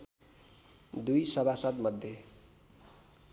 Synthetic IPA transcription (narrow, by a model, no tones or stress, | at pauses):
d̪ujsʌbʱasʌt̪mʌd̪ʱːje